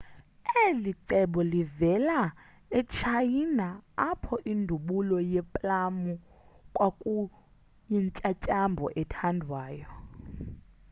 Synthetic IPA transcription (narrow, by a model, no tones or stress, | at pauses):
eliǀɛɓɔlivɛla | ɛt͡ʃʰajinaapʰɔʔindʱuɓulɔjɛpʼlamu | kʼwakʼu | jiɲt͡ʃʼat͡ʃʼambʱɔ̰ʔɛtʰandʱwaːjɔ